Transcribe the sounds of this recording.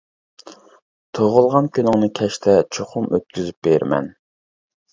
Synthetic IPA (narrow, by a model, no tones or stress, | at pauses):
t̪ʰoʁʊlˠʁɑnkʲʰønɪŋnɨkʲʰɛʃt̪ʰɛt͡ʃʰoχʊmøt̪̚kʲyzyp̚beɾmɛ̰n